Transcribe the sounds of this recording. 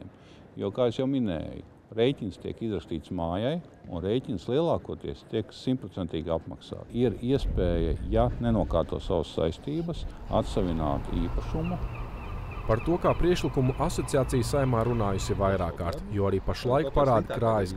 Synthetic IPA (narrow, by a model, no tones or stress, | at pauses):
m | juɔkaːesjawminɛ̰ːjṵ | ɾejtʲinst̪ʲiɛkizɾɐkst̪iːt̪smaːjaj | unɾejcʲinslˠiɛlˠaːkuɔt̪iɛst̪iɛksimpɾɔt̪sɛnt̪iːɡapma̰ksa̰ːiɾiɛspɛːjɐ̰janɛnuɔkaːɾt̪uɔsaʋasːa̰jst̪iːbɐsa̰t̪saʋʲina̰ːt̪iːpɐʃumu | paɾt̪uɔkaːpɾiɛʃlˠikumuʔasɔt̪sijaːt̪sijsːajmaːɾunaːjusivajɾaːkːaːɾt̪juɔaɾiːpaʃlˠajkpaɾaːd̪ʲkɾaːjɐs